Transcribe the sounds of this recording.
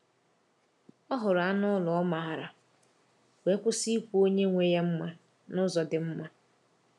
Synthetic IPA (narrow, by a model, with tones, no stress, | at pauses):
ɔ˦ɦʊ˨ɾa˦nʊ˦lʊ˨ɔ˦ma˨ɦa˨ɾa˨ | we˨˦kʷʊ˦si˦kʷu˦o˦ɲe˦ŋʷe˦ja˦m̩˦ma˦ | nʊ˦zɔ˨dɪ˨m̩˦ma˦